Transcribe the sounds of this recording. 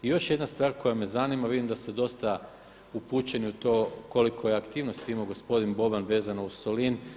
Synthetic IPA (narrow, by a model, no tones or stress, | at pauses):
ijo̞ʃje̞d̪nast̪ʋaːɾko̞jame̞zanimaʋid̪imd̪ast̪ed̪o̞st̪a | upuːt͡ɕe̞niut̪o̞ːko̞likʰo̞jeakt̪iːʋno̞st̪imoɡo̞spo̞d̪inbo̞banʋe̞ːzanousolin